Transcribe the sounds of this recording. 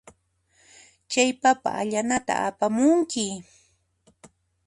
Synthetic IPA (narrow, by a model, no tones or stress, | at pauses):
t͡ʃajpapa̰ːʎanat̪a̰apamʊŋkɪ